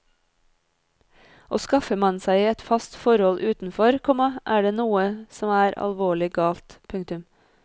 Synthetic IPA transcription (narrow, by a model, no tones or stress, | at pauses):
ʔoːskɑfəmɑnsæɪiːɛt̪fɑst̪fɔɾhɔlʔʉːt̪n̩fɔɾkʰɔmɑʔæːɖeːnuːəsɔmæːɾɑ̰lʋoːɭɪɡɑːlt̪pʰʉŋkt̪ʉm